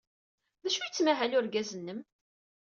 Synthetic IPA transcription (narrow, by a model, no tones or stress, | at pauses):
ðæʃujət͡sːmæɦælʊɾɡæzənːəm